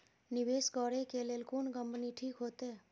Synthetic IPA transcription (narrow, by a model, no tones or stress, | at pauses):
nɪʋeːskɔɾekelelkuɳkəmpniʈʰiːkɦot̪eː